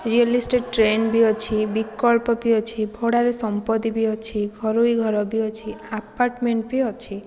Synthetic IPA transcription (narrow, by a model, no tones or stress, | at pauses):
ɾiɔlisʈeɖʈɾenbiɔt͡ʃʰibikɔlpɔbiɔt͡ʃʰibʱoɽaɾesɔmpɔd̪ibiɔt͡ʃʰiɡʱɔɾuiɡʱɔɾɔbiɔt͡ʃʰiapaɾʈmeɳʈbiɔt͡ʃʰi